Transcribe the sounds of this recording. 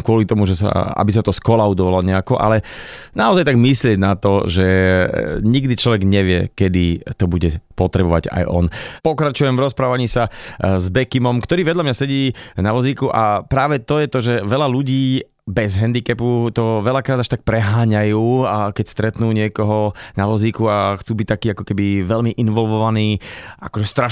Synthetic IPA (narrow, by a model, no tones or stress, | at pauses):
kʊɔlit̪ɔmuʒɛsa̰a̰bisat̪ɔskɔlaʊd̪ɔʋalɔɲɛakɔʔa̰lɛ | naɔzajt̪aɡmislɪɛɟnat̪ɔʒɛ | ɲiɡd̪it͡ʃlɔʋɛɡɲɛʋɪɛ̰kɛd̪it̪ɔbuɟɛpɔt̪ɾɛbɔʋa̰ɟa̰jʔɔ̰npɔkɾat͡ʃujɛmvɾɔspɾaːʋaɲiːsazbɛkimɔmkt̪ɔɾiːʋɛd̪ʎamɲasɛɟiːnaʋɔziːkuʔapɾaːʋɛt̪ɔjɛt̪ɔʒɛʋɛʎaluɟiː | bɛzɦɛnd̪ikɛput̪ɔʋɛʎakɾaːd̪aʃt̪ak̚pɾɛɦaːɲajuːakɛcst̪ɾɛt̪nuːɲɪɛkɔɦɔnaʋɔziːkuaxt͡suːbic̚t̪akiːakɔkɛbiʋɛlmiʔinʋɔlʋɔʋaniːʔa̰kɔʒɛst̪ɾa